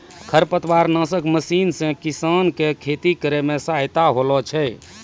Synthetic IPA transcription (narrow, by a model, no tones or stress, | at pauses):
kʰəɾpət̪ʰwaɾnãsəkməsinsẽkisankekʰet̪ikəɾemesajt̪aɦolɔt͡ʃʰɛj